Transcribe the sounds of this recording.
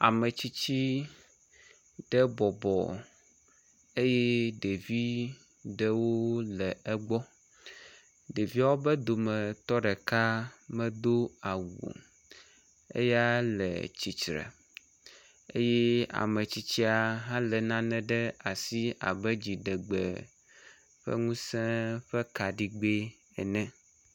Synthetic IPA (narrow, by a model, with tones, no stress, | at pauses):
a̰˨mɛ˨t͡ɕi˦t͡ɕi˦ | ɖ̥ɛ˦bɔ˨bɔ̰˨ | e˦je˦ɖe˨vi˦ | ɖɛ˦wo˦lɛ˨ɛ˦ɡ͡bɔ˦ | ɖe˨vi˦a˦wo˦bɛ˦d̪o˨mɛ̃˨t̪ɔ˦ɖɛ˨ka˦mɛ̃˦d̪o˦a˨wṵ˨ | ḛ˦ja˦lɛ̰˨t͡ɕi˨t͡ʃɾɛ̰˨ | e˦je˦a̰˨mɛ̃˨t͡ɕi˦t͡ɕi˦a˨ɦã˦lɛ˨nã˦nɛ̃˨ɖɛ˦a˨si˦a̰˨bɛ˦d͡ʑi˨ɖɛ˨ɡ͡bɛ̰˨ | ɸɛ̰˦ŋũ˦sɛ̃˦ɸɛ˦ka˨ɖi˦ɡ͡be˦ | ɛ̰˨nɛ̃˦